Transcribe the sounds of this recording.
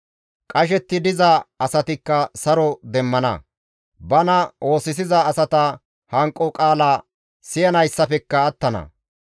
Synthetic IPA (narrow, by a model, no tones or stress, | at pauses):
kʼɐʃɛt̪ːɪd̪ɪzɐaɐsɐt̪ɪkːɐsɐɾɔd̪ɛmːɐnɐ̰ | bɐnɐʔo̞ːsɪs̬ɪzɐːsɐt̪ɐ | hɐŋkʼːɔkʼaːlaː | sɪjɐnɐjsːɐfɛkːɐɐt̪ːɐnɐ̰